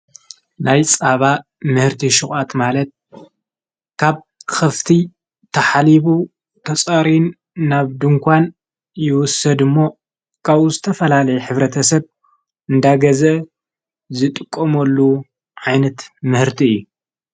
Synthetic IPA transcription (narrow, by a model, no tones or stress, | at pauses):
najt͡sʼaβa | mɨhɨɾt̪ʰiʃuxʼat̪malɐt̪̚ | kʰaβ | xɐft̪ʰi | t̪ʰɐħaliβu | t̪ʰɐt͡sʼɐɾinː | aβd̪ɨŋkʰʷan | jɪwʊsɐd̪ɨmːo̞ | kʰaβuzɨt̪ʰɐfɐlalɐjɛħɨβɾɐt̪ʰɐsɐβ | ʔɨnd̪aɡɐzɐ | zɨt̪ʼɨkʼːomɐlːu | ʕajnɐt̪mɨhɨɾt̪ʰiɨjːu